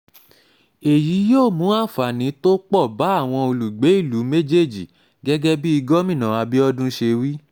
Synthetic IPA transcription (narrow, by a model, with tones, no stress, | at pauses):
e˨ji˨˦joː˦˨mũ˨˦a˦˨fa˨nĩ˨˦to˦k͡pɔ˦˨ba˨˦a˦˨w̃ɔ̃˧o˧lu˨ɡ͡be˨˦i˦˨lu˨˦me˦d͡ʒe˦˨d͡ʒi˨ | ɡɛ˦ɡɛ˦bi˦i˧ɡɔ˦mĩ˦˨nã˨a˧bi˦ɔ˦dũ˦ʃe˧wi˦